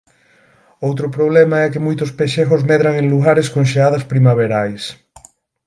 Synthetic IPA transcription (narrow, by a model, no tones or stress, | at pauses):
owt̪ɾʊpɾoβlɛmaɛkɪmojt̪ʊspeʃeɣozmɛðɾaŋẽŋluɣaɾeskoŋʃeað̞ɐspɾimaβeɾajs